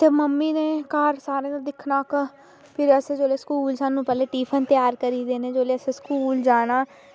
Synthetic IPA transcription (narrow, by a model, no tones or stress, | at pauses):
t̪eməmːiːneːkaːɾsaːɾẽːd̪ad̪ɪkʰnaːkə | pʰɪɾəsẽːd͡ʒoːleːskuːlsaːnːũːpɛːleːʈiːpʰənt̪ɪjaːɾkəɾiːd̪eːneːd͡ʒoːleːəseːskuːld͡ʒaːnaː